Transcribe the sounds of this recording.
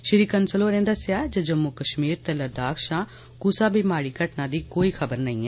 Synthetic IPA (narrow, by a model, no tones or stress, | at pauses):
ʃɪɾiːkənsəloːɾẽːd̪əsɪaːd͡ʒoːd͡ʒəmːukəʃmiːɾt̪ɛləd̪aːkʃãː | kusaːbʱiːmaːɽiːkəʈnãːd̪iːkoːiːkʰəbəɾnəĩːɛː